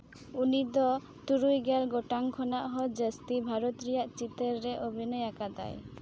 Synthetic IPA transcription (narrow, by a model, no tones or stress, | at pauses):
unid̪ɔ | t̪uɾujɡɛlɡɔʈaŋkʰɔnaʔɦɔd͡ʒəst̪ibʱaɾɔt̪ɾɛjaʔt͡ʃit̪əɾːɛʔobʱinɔjakad̪a̰j